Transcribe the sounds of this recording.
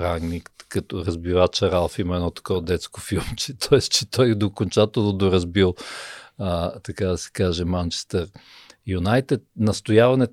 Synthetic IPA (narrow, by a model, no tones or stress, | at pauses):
pɾaŋɡnʲik̪kɐt̪ɔɾɐzbivat͡ʃɐɾalˠfimɛdnɔt̪ɐ̥kɔd̪ɛt̪skofilˠmt͡ʃɛt̪ʰɔɛst̪t͡ʃɛt̪ɔjd̪okont͡ʃat̪ɛlˠnod̪oɾɐzbilˠət̪ɐkad̪ɐsɛ̥kaʒɛmant͡ʃɛ̥st̪ɛɾ | junajt̪ɛt̪̚nɐst̪ojavɐnɛt̪